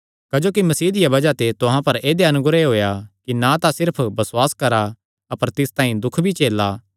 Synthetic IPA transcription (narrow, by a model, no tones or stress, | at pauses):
kɐd͡ʒoːkimɐsiːd̪ɪjabɐd͡ʒat̪et̪ʊɦãpɐɾeːd̪eɐnʊɡɾeɦoːjakinat̪asɪɾpʰbɐsʊwaːskɐɾa | ɐpəɾt̪ɪst̪aːĩd̪ʊkʰbʱit͡ʃeːlaː